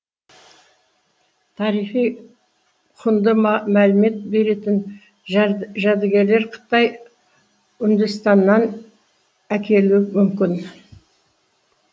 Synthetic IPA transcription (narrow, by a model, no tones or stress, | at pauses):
t̪ʰɑɾijχij | qʰʊnd̪əmælɪme̞t̪̚be̞ɾe̞t̪ɪn | ʒæd̪ɪɡʲe̞ɾle̞ɾqʰə̥t̪ɑj | ʏnd̪əst̪ɑnːɑn | ækʲʰe̞lumʏmkʲɪn